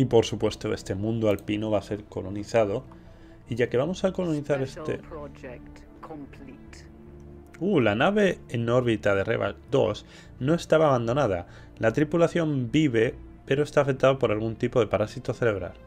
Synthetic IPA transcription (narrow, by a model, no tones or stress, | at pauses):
ipo̞ɾsupwe̞st̪o̞e̞̰st̪e̞mũnd̪oalpinoβ̞ase̞ɾko̞lo̞niθað̞o̞ | iʝake̞βamo̞sako̞lo̞niθaɾest̪ḛd͡ʒt | kʰmplit | ulanaβe̞ːno̞ɾβit̪að̞e̞rḛβa̰k̚d̪o̞̰s | no̞e̞st̪aβaːβand̪o̞nað̞a̰ | lat̪ɾipulaθjo̞mbiβe̞ | pe̞ɾoest̪aːfek̚t̪aðopo̞ɾalɣunt̪ipo̞ð̞e̞paɾasit̪oθe̞le̞βɾa̰l